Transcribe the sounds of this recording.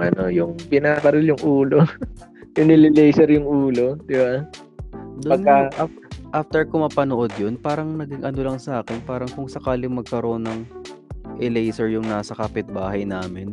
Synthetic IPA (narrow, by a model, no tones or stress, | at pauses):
ʔɐno̞jʊŋbɪnaːbɐɾɪljʊŋʔuːlojʊŋnɪlɪlɛjsɛɾjʊŋʔuːlo̞d̪̥ɪba | d̪opɐɡ̪kɐa | ʔaːft̪ɛɹkomɐpɐnoʔod̪̚jonpaːɾɐŋnɐɡɪŋʔɐno̞lɐŋsɐʔaːkɛnpaːɾɐŋkʊŋsɐkaːlɪmɐɡ̚kɐɾo̞nːɐŋ | ʔɪlɛjsɛɹjʊŋnaːsɐkapɪt̪̚baːɦɐjnaːmɪn